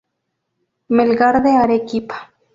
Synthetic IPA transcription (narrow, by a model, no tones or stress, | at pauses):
melɣaɾðeaɾekipḁ